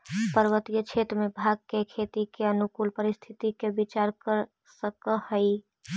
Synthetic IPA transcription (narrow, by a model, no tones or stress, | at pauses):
pəɾʋət̪ijət͡ʃʰet̪ɾəmẽbʱaɡ̚kekʰet̪ikeənukuːlpəɾɪst̪ʰit̪ikebit͡ʃaɾkəɾ | səkəhəi